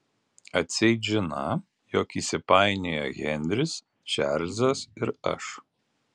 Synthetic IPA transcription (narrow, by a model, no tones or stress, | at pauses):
ɐt̪ʲsʲɛɪʒʲɪnɐ | joːkiːsʲɪpɑˑɪnʲeːjo̰ɣʲɛnʲd̪ʲɾʲɪs | ʃʲɛ̰ɾʲzɐsɪɾɐ̰ʃ